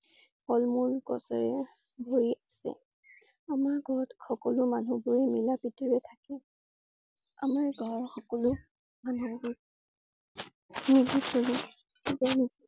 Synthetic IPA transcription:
pɔlmulɡɔ̰sɔɹɛ | bʱoɹiʔasɛ̰ | amaɹɡɔtxɔkɔlʊmanubʊɹɛmilapitiɹɛtʰakɛ | a̰maɹɡʱɔɹxɔkɔlʊ | manubʊɹ | niziksoɹi | sibanizi

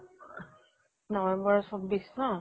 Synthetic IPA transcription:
nɔwɛmbɔɹsɔbːisnɔ

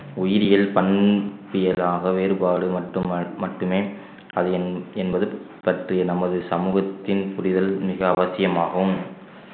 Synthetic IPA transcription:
ʊjɪɾɪjɪlpɐɳpɪjɐlaːɣɐʋeːɾɯbaːɽɯmɐʈːɯmɐʈːɯmeː | ɐðɯnɛnbɐðɯ | pɐʈrɪjɐnɐmɐðɯsɐmuːɣɐt̪ːɪnpʊɾɪðɐlmɪɣɐːʋɐsɪjɐmaːɣm

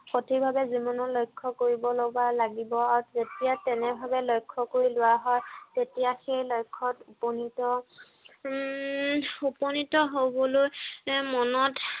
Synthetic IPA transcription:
xotʰibʱabɛzimɔnɔlojkʰːɔkoɹibɔloɡalaɡibɔaɹuzetijatɛnɛbʱabɛlojkʰːɔkoɹilʊwaɦɔjtetijaxejlojkʰːɔtupɔnitɔ | upɔnitɔɦobɔlojmɔnɔt

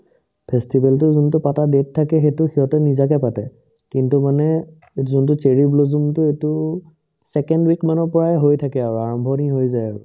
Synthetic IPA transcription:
pʰɛstibɛltʊzuntʊpatadetʰːakɛxetʊxiɦɔtɛnizakɛpatɛ | kintumanɛ | etzuntʊt͡ʃeɹiblozumtʊetʊ | sɛkɛndwikmanɔɹpɔɹaɛɦojtʰakɛaɹuaɹambʱɔniɦojzajaɹʊ̰

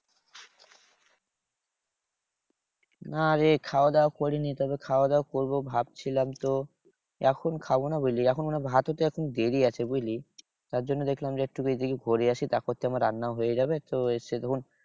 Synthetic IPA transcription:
naaɾekʰaod̪aokoɾinit̪ɔbekʰaod̪aokoɾbobʱab̚t͡ɕʰilamt̪o | ɛkʰonkʰabonabojliɛkʰonmanebʱat̪ot̪eɛkʰond̪eɾiat͡ɕʰebojli | t̪aɾd͡ʑonːod̪ekʰlamd͡ʑeɛk̚ʈukejd̪ikeɡʱoɾiaʃʰit̪akot̪ʰːeamɾaɾːanːaoɦojed͡ʑabet̪oeset̪ɛkʰon

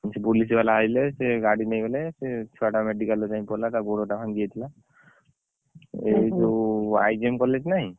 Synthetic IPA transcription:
sepulis̬balaaileseɡaɽinajbeleset͡ʃʰɔaʈameɖikalɔʈajmpɔlat̪aɡoɽoʈapʰaŋɡijet̪ʰila | eit̪oa̰jd͡ʒiemkɔlet͡ʃnaɦĩ

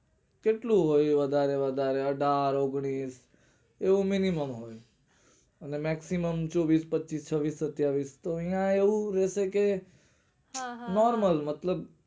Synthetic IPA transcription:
keʈluɦoːjʋəd̪ʱaɾeʋəd̪ʱaɾeəɖʱaːɾoɡɳ̃iːs | euminiməmɦoːj | ənemɛksiməmt͡ʃɔːʋiːspətːt͡ʃiːst͡ʃʰəʋiːsːət̪jaʋiːst̪oĩjãeuɾɛːseke | nɔːɾməlmət̪ləb

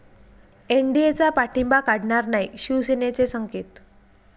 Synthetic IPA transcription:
eɳɖiet͡sapaʈʰimbakaɽɳaɾnaiɕuʋsenet͡sesəŋket̪

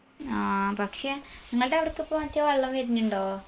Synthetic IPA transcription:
aːpɐkʂeniŋːɐɭɨɽeɐʋiɽɐkːɨpːomɐt̪ːjɐʋɐɭːɐmʋɐɾiɲːuɳɖoː

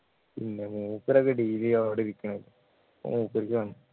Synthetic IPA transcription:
pinːemuːpːiɾɐkːeɖiːliɐʋiɽeiɾikʲːɐɳɐmilːɐ | pːo̰muːpːiɾikʲːɨʋɐnːu

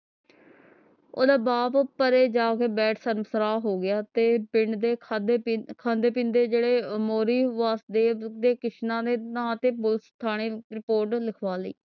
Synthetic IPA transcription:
oːd̪aːbaːppəɾeːd͡ʒaːkeːbɛːʈʰsəɾmsɾaːɦoːɡɪjaːt̪eːpɪɳd̪eːd̪kʰãːnd̪eːpĩnd̪eːd͡ʒeːɽeːmoːɾiːʋaːsd̪eːd̪eːkɪʃnãːd̪eːnãːt̪eːpʊlst̪ʰaːɽ̃iːɾɪpoːɾʈlɪkʰʋaːləḭː

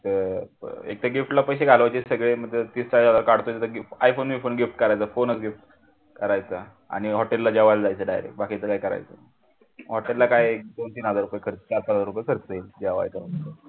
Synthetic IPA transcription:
t̪əɾḛk̚t̪eɡifʈlapəjɕ̬eɡʱalʋajt͡ɕesəɡɭeməd̪ʱjet̪iːst͡ɕajd͡zad͡zaɾkaɽt̪ojet̪əɡajfonmifonɡifʈkəɾajt͡səfonət͡sɡifʈ | kəɾajt͡sə | a̰ɽ̃iɦɔʈelːad͡ʑaʋald͡zajt͡səɖajɾḛk̚ʈbakʰit͡səkajkəɾa̰jt͡sə̰ | ɦɔʈellakajd̪ont̪inad͡zaɾupəjkʰəɾt͡sət͡ɕapad͡zaɾupəjkʰəɾt͡səild͡ʑɛʋa̰jt̪amə

